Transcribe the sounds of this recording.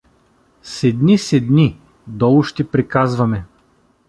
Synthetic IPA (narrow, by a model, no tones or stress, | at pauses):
sɛd̪nisɛd̪ni | d̪ɔlˠʊʃt̪ipɾikazvɐmɛ